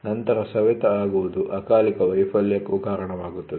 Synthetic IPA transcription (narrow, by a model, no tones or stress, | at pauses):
nɐnt̪ɐɾɐsɐʋɐt̪ɐaːɡuʋud̪uʔɐkaːlikɐʋɐjpʰɐljɐkːuɡ̪aːɾɐɳɐʋaːɡut̪ːɐd̪